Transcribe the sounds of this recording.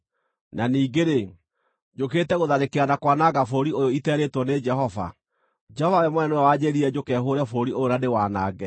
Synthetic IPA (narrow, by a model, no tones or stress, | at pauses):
naniːɡeɾe | d͡ʒoketɛɣoðaɾekeanakwanaɡafoɾiojoitɛːɾetwɔned͡ʒɛɦɔva̰ | d͡ʒɛhɔvajɛmwɛnɛnwɛwaɲeɾiɛd͡ʑokɛːɦoːɾɛfoɾiojoɾadewaːnaːɡɛ